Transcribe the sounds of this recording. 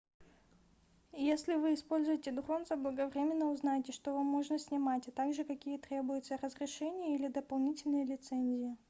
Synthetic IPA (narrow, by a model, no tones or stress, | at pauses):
jesʲlʲɪvɨːspo̞lʲzʊjɪtʲɪd̪ʊxo̞vnsvəblˠəɡɐvɾʲemʲɪnːəʊznajɪtʲɪʂt̪ovamːoʐnəsʲnʲɪmatʲat̪aɡʐɨkɐkʲijət̪ɾʲebʊjʊt̪sərəzɾʲɪʂɛnʲɪjəilʲɪd̪əpɐlˠnʲitʲɪlʲnɨjəlʲɪt̪sɛnʲzʲɪjɪ